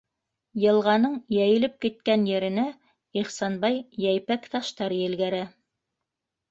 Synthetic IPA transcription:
jɤ̆lˠʁɑnɤɴjæjɘ̆lɘp̚kit̪̚kænjɘ̆ɾɘ̆næ | iχsɑnbɑjjæjpækt̪ɑʃt̪ɑɾjɘ̆lɡæɾæ

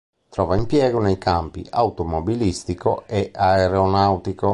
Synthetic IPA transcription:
t̪ɾɔːvaimpjɛːɡonejkampḭʔaut̪omobilist̪ikoɛaɛɾeonawt̪iko

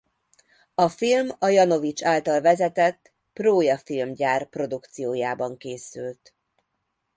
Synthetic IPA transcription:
ɒfilmɒjɒno̞vit͡ʃaːlt̪ɒlvɛzɛt̪ɛt̪ː | proːjɒfilmɟaːrpro̞d̪ukt̪sijoːjaːbɒŋkeːsylt̪

